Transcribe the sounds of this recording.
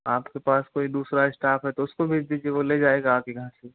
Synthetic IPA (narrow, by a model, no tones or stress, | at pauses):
aːpkepaːskoːid̪uːsɾaɪsʈaːpɦɛt̪oʊskobʱid͡ʒd̪iːd͡ʒieʋoled͡ʒaːeːɡaːpkeɡʱəãse